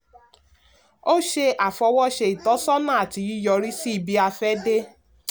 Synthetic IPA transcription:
o˦ʃe˧ʔa˨fɔ˧wɔ˦ʃe˧i˨tɔ˨˦sɔ˦nã˦a˨ti˨˧i˦jɔ˧ɾi˦si˦i˧bi˦a˧fɛ˦de˦

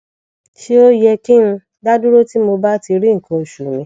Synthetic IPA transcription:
ʃi˦o˦jɛ˧ki˦ñ̩˧ | da˦du˦ɾo˦ti˦mo˧ba˦ti˧ɾi˦ŋ̩˨kʰã˧o˨ʃu˨mĩ˧˦

